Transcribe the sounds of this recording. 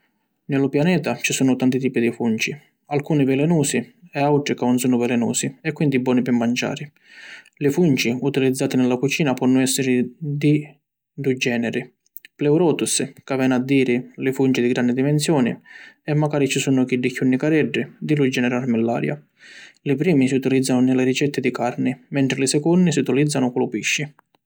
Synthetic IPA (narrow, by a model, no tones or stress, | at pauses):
nɪlʊpjanɛːt̪at͡ʃisuːnʊt̪ant̪it̪iːpid̪ifunt͡ʃi | alkuːnivɛlɛnuːsiɛawʈ̪ɾikaʊnsuːnʊvɛlɛnṵːsiɛkːwind̪ibɔːnipɪmːant͡ʃa̰ːɾi | lɪfunt͡ʃiut̪ilid̪zːaːt̪inɪlːakut͡ʃiːnapɔnːʊɛsːɪɾɪd̪i | d̪ud͡ʒɛːnɛɾi | plɛwɾɔːt̪uskavɛːnad̪ːiːɾɪlɪfunt͡ʃid̪iɡɾand̪id̪imɛnsjɔːnḭɛmːaɡaːɾit͡ʃisunʊk̟iɖːikjunːikaɾɛɖːid̪ilud͡ʒːɛnɛɾaɾmɛlːa̰ːɾja̰ | lɪpɾiːmisiut̪ilid̪zːanʊnɪlːɪɾit͡ʃɛt̪ːɪd̪ikaɾnɪmɛnt̪ɾɪlisɛkɔnːisiut̪ilid̪zːanʊkɔlʊpiʃːi